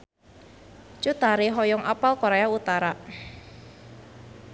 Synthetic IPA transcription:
t͡ʃut̪aɾeɦɔjɔŋapalkoɾeaut̪aɾa

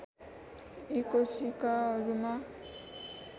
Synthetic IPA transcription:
ikosikaɾuma

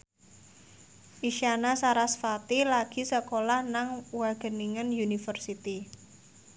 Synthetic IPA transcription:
ʔiʃanasaɾasfat̪ilaɡ̥i̤səkolahnaŋwaɡ̥ə̤niŋənjunifərsit̪i

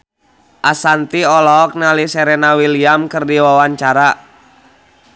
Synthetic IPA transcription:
ʔasant̪iɔlɔk̚nalisɛɾɛnawiliamkɨrdiwawaɲt͡ʃaɾa

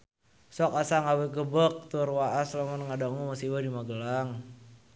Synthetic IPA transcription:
sɔkasaŋawɛɡəbək̚t̪urwaʔaslamɔnŋadaŋumasiwadimaɡəlaŋ

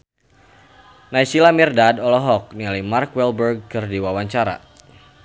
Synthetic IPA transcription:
najsilamirdadɔlɔɦɔk̚nialimarkwɛlbərɡ̚kərdiwawaɲt͡ʃaɾa̰

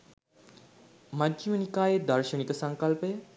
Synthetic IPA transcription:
madimənikaːjed̪ɐɾʃənikəsaŋkalpəjə

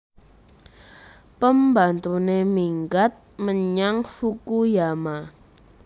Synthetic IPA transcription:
pəmbant̪unemiŋɡat̪̚məɲaŋfukujama

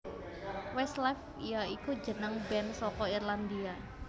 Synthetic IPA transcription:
wɛst̪lɛf | ijaikud͡ʒənəŋbɛnsɔkɔirland̪ia

